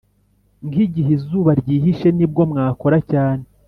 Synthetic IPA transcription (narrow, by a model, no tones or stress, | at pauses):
ŋɡiɟiɦizuːβaɾɟiːɦiʃe̞nibɡo̞mŋaːko̞ɾacaːne